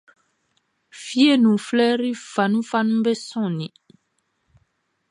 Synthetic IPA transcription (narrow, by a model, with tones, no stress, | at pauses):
fi˦e˦˨nũ˨flɛ˦ɾi˦fa˨nũ˦fa˦nũ˦be˦sɔ̃˦˨nĩ˨